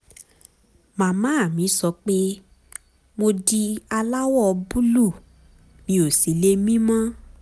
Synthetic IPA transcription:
mã˨˦mã˨˦a˦˨mĩ˨˦sɔ˧˦k͡pe˦ | mo˧di˧a˧la˦wɔ˦˨˧bu˦lu˦˨ | mĩ˨˦o˨si˨˦le˦mĩ˦mã˦

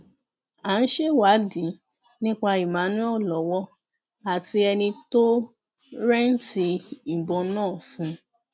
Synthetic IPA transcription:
a˨˦n̩˦ʃe˦wa˨˦dĩ˨˦ | nĩ˦k͡pa˧i˨mã˨˦nũ˦ɔ˦˨lɔ˨wɔ˦ | a˨ti˧ɛ˧nĩ˧to˦ | ɾɛ˦n̩˦ti˧m̩˨bɔ̃˧nɔ̃ː˦˨fũ˧

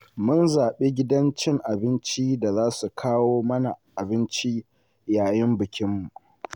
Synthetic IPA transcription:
mʊ˦nzaː˨ɓe˦ɡʲɪ˦dɐ˦nt͡ʃɪ˦ŋʔa˨bɪ˦nt͡ʃiː˦da˨zaː˦su˨kʰaː˦woː˦mɐ˦na˨ʔa˨bɪ˦nt͡ʃi˦ | jaː˨jɪ˦mbɪ˨kʲɪ˦mːu˨

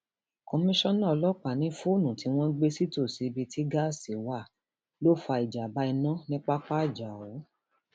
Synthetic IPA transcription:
ko˧mĩ˦ʃɔ̃˦nã˦˨ɔ˧lɔ˦k͡pa˨nĩ˨˦fu˦˨nũ˨tʰi˨˦w̃ɔ̃˦ɡ͡be˦si˦to˦˨si˨˧bi˧ti˦ɡa˦˨si˨wa˦˨ | lo˦˨fa˧i˨d͡ʒa˨ba˧˦i˧nã˦nĩ˦k͡pa˦k͡pa˦i˦˨d͡ʒa˨o˨˦

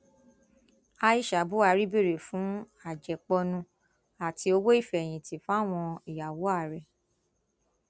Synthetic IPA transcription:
a˧i˦˨ʃa˨bu˦a˧ɾi˦be˦˨ɾe˨fũ˨˦ | a˨d͡ʒɛ˨k͡pɔ˧nũ˧ | a˨tʰi˧o˧wo˦i˦˨fɛ˨j̃ĩ˨ti˨fa˦˨w̃ɔ̃˧i˨ja˨wo˨˦a˦˨ɾɛ˨

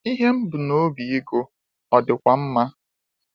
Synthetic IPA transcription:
i˦ɦe˦m̩˦bʊ˨no˦bi˨i˦ɡo˦ | ɔ˨dɪ˨kʷa˨m̩˦ma˦

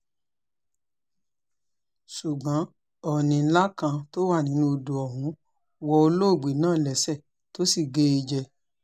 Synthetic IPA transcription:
ʃu˨ɡ͡bã˨˦ | ɔ˦˨nĩ˨˧˦la˦kã˧to˦wa˦˨nĩ˨˦nũ˧o˧do˨ɔ˨ɦũ˨˦ | wɔ˧o˧lo˦o˦˨ɡ͡be˨nãː˦˨lɛ˨sɛ˦˨ | to˦si˦˨ɡe˦i˧d͡ʒɛ˧

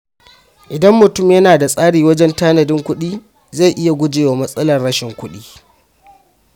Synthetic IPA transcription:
ʔɪ˨dɐ˦mːʊ˨tʊ˦˨mjɐ˦naː˨da˨sʼaː˦ɽiː˨wɐ˦d͡ʒɛ˦ntaː˦nɐ˨dɪ˦ŋkʷʊ˦ɗiː˦ | za˦˨ʔɪ˦ja˨ɡʷʊ˦d͡ʒeː˨wa˨mɐ˦sʼɐ˦lɐ˨rɽɐ˦ʃɪ˨ŋkʷʊ˦ɗiː˦

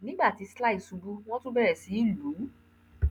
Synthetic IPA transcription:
nĩ˦ɡ͡ba˦˨ti˨˧sla˦i˦˨sũ˨˧bu˦w̃ɔ̃˦tũ˦bɛ˦˨ɾɛ˨si˨˦i˦˨lu˨˦

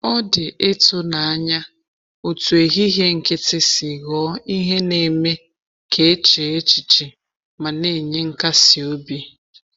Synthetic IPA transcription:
ɔ˦dɪ˨ʔe˦tʊ˦na˨a˦ɲa˦ | o˨tu˨e˨ɣi˦ɦe˦ŋ̩˨kɪ˦tɪ˦sɪ˨ɣɔ˨˦i˦ɦe˦ne˨me˦ | kʰe˦e˦t͡ʃe˨e˦t͡ʃi˨t͡ʃi˨ | ma˨ne˦˨ɲe˦ŋ̩˦ka˦si˨o˦bi˦

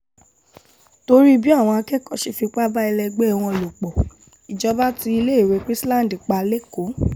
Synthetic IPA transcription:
to˧ɾi˦bi˦a˦˨w̃ɔ̃˧a˧kɛ˦˨kɔ˨ʃi˧fi˧k͡pa˦ba˦ɛ˧lɛ˧ɡ͡be˦˧˨w̃ɔ̃˧˨lo˨k͡pɔ˨ | i˨d͡ʒɔ˧ba˦ti˧˦i˧le˦i˦˨ɾe˨˦kɾi˦slã˦˨n˨di˨k͡pa˧le˦ko˨˦

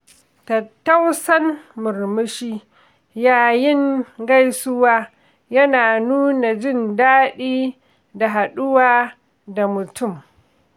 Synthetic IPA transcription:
tɐ˨tːa˦wsɐ˦nmʊ˨rmɪ˦ʃiː˦ | jaː˦jɪ˦ŋɡa˦jsʊ˦waː˦ | jɐ˦naː˨nuː˦na˨d͡ʒɪ˦˨ndaː˦ɗiː˦ | da˨ɦa˨ɗʊ˦waː˦ | da˨mʊ˨tʊ˦˨m

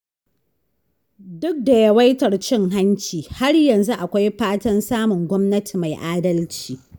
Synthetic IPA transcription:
dʊ˦k̚da˨jɐ˦wa˦jtɐ˨rt͡ʃɪ˦ŋɦa˦ɲt͡ʃiː˨ha˦rjɐ˨nzu˦ʔa˨kʷa˦jɸaː˦tɐ˦nsaː˦mʊ˨ŋɡʷɔ˦mnɐ˦tʰi˨ma˨jʔaː˦dɐ˦lt͡ʃiː˨

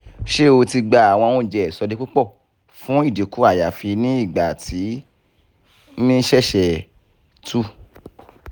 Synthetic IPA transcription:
ʃe˦˨o˧ti˧ɡ͡ba˧a˨w̃ɔ̃˧wũ˧d͡ʒɛ˨ɛ˨sɔ˧di˦k͡pu˦k͡pɔ˦˨ | fũ˨˦i˦˨di˨ku˦a˦˨ja˨fi˧nĩ˦i˦˨ɡ͡ba˨ti˨˦ | mĩ˦ʃɛ˦˨ʃɛ˨ | tʰu˦

